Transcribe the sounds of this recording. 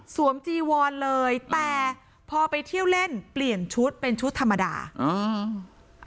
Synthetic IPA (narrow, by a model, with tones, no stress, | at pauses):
su˩˦əmt͡ɕiː˧wɔː˧nlɤː˧jt̪ɛː˨˩ | pʰɔː˧pa˧jt̪ʰi˥˩ə˩wle˥˩npli˨˩ənt͡ɕʰu˦˥t̪̚pe˧nt͡ɕʰu˦˥t̪ʰːa˧mːa˧da̰ː˧ʔɯː˧